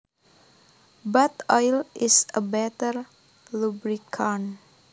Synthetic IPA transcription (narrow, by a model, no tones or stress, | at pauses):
bat̪ɔjlɪsəbɛt̪əɾ | lubɾikʰɔn